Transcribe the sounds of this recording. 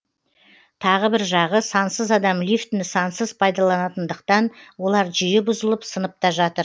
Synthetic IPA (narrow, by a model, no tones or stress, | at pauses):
t̪ʰɑʁəbɪɾʒɑʁəsɑnsəzɑd̪ɑmlʲift̪nɪsɑnsəzpʰɑjd̪ɑlˠɑnɑt̪ənd̪əq̚t̪ɑnwo̞lˠɑɾʒʏjɪbʊzəlˠəpsənəp̚t̪ɑʒɑt̪əɾ